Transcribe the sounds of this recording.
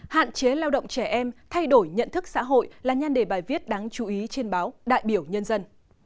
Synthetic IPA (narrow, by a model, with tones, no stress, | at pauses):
ha̰ː˧˨nt͡ɕe˨˦laː˧wɗə̰˧˨wŋ͡mt͡ɕɛ˧˩ʔɛ˧mt̪ʰa˧jɗo˧˩jɲə̰˧˨nt̪ʰɨ˦˥k̚sa̰ː˧˥ɦo̰˧˨jlaː˨˩ɲa˧nɗe˧˩ɓaː˨˩jvi˦˥ət̚ɗaː˨˦ŋt͡ɕu˧˩ʔi˨˦t͡ɕe˧nɓaː˨˦wɗa̰ː˧˨jɓi˧˩əwɲə˧nzə˧n